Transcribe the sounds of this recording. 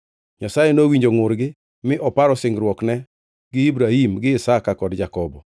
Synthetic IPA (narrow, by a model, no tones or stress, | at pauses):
ɲasajɛnowiɲd͡ʒoŋʊɾɡɪ | mɪʔɔpaɾɔsɪŋɡɾwɔknɛ | ɡɪibɾahimɡɪːsakakɔdd͡ʒakɔbɔ